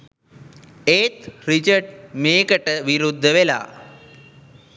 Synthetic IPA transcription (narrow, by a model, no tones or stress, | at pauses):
eːt̪ɾit͡ʃəɾɖmeːkəʈəʋiɾud̪ʱːəʋela̰ː